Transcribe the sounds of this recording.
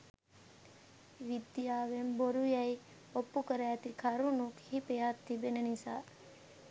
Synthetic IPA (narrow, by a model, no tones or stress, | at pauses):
ʋid̪jaːʋemboɾujaj | opːukəɾat̪ikʰaɾunukhipejat̪ʰːibenenisa̰